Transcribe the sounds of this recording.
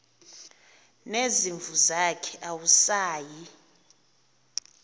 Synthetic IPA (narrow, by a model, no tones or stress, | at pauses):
neziɱvuzakʰɛʔawusaːji